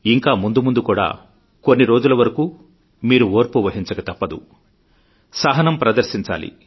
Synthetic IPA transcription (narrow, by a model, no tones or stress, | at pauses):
iŋkaːmund̪umund̪ukuːɽa̰ː | konːiɾo̞ːd͡ʒulɐʋɐɾɐkuː | miːɾuoːɾpuʋɐɦiɲt͡ʃɐɡɐt̪ɐpːɐd̪ṵ | saːɦɐnɐmpɾɐd̪ɐɾʃiɲt͡ʃa̰ːlḭ